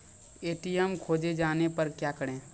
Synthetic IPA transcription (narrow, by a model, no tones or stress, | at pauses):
eːʈijəmkʰoːd͡ʒed͡ʒaːnepəɾkjaːkəɽẽː